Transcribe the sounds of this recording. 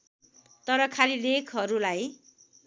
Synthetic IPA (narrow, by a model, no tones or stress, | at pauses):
t̪ʌɾʌkʰalilekʰɦʌɾulaj